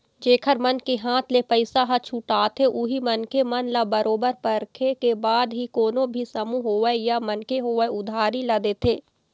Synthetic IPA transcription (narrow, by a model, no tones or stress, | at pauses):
d͡ʒeːkʰəɾmɐnkeɦãːt̪ʰlepəɪsaɦɐt͡ʃʰʊʈaːt̪ʰeʔʊɦimɐnkemɐnlabɐɾʔoːbəɾpɐɾkʰekebaːd̪ɦikoːnõbʱisɐmuɦoːʋəjamɐnkeɦoːəʊd̪ʱaːɾilɐd̪eːt̪ʰeː